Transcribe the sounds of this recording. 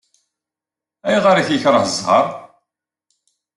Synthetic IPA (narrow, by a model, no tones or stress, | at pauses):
æjʁaɾaçjəçɾˤəhəzˤhɑ̰ɾˤ